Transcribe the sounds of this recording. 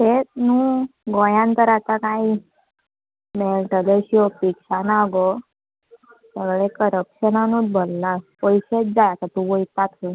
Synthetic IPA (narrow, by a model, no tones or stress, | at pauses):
tet̪nũɡɔ̃jãnt̪əɾat̪akai | melʈəleɕijɔpikɕanaɡɔ | t̪aʋɭekəɾəpɕənanũd̪̚bʱɔlːapɔjɕet̪̚d͡zajat̪at̪ũʋəjt̪at̪ʰu